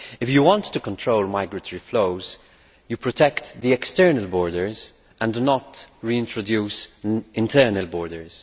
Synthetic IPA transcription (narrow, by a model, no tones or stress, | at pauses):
ɪfjuwɔ̃ntːukɔ̃ntʰɹoʊlmaɪɡɹətʰɔɹifloʊz | jupʰɹɔtʰɛkt̪ðiɛkstɛɹnəlbɔːɹdəɹz | ʔə̃ndunɔtɹiɪ̃ntɹɔdjuːsɪ̃ntʰɛːnəlbɔːɹdəɹz̥